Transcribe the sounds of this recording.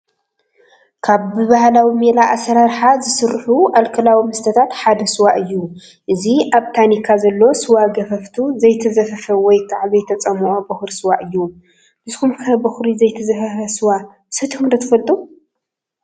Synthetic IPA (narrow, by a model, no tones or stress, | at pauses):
kʰaβːɨβahlawimelaʔasɐɾaɾħazɨsɨɾħuʔalkʰɐlawimɐst̪ʰɐt̪ʰat̪ħad̪ɐsɨwaʔɨjːu | ʔɨziʔaβt̪ʰanikʰːazɐlːo̞sɨwaɡɐfɐft̪ʰuzɐjt̪ʰɐzɐfɐfɐwɔjt̪ʰʼaʕβijt̪ʰɐt͡sʼɐmuʔobɐxɾisɨwaʔɨjːu | b̥ɨzɨxumkʰɐbɐxɾizɐjt̪ʰɐzɐfɐfɐsɨwa | sɨt̪ʰɨmɾɐt̪ʰɨfɐlt̪ʼu